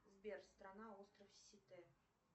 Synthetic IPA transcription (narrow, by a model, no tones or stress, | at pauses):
zbʲerst̪ɾanaost̪rəfsʲit̪e